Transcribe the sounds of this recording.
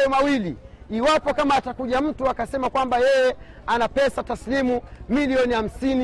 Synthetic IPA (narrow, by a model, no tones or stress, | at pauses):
jɔmawiliiwapɔkamaːtakuʄam̩tuakasɛmakwambajɛjɛ | anapɛsataslimumiliɔniham̩sini